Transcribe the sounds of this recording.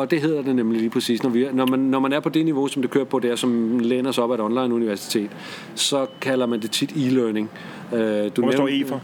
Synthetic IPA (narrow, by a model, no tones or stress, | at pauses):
ɒ̽d̥e̝ɦe̝ð̞̰ˠɐd̥e̝nemliliːpʰʁɛsḭːsnɒʋinɒmænːɒmænæɐpʰɒ̽d̥e̝niʋo̝sɒ̽md̥e̝kʰøːɐpʰɒ̽d̥eɐsɒ̽mleːnɐsɒ̽b̥æɾɒ̽nlɑ̈ɪnuniʋæɐsi̥t͡sʰe̝̰ːd̥ | sɒ̽kʰælɐmænd̥e̝t͡sʰid̥iløne̝ŋ | ød̥unif